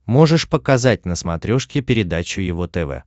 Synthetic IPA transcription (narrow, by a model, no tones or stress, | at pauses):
mo̞ʐɨʂpəkɐzat̚ʲnəsmɐt̪ɾʲoʂkʲɪpʲɪɾʲɪd̪at͡ɕʊjɪvot̪ɛvɛ̰